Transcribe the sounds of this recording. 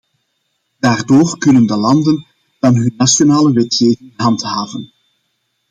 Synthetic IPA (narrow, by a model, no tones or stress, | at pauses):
daːrdoːrkɵnəndəlɑndən | d̥ɑnɦɵnːasjonaːləʋɛtxeːvɪŋɦɑntɦaːvən